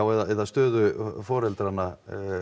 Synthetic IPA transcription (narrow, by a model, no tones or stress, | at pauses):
awɛðaɛðaðst̪œːðʏfɔːɾɛlt̪ɾana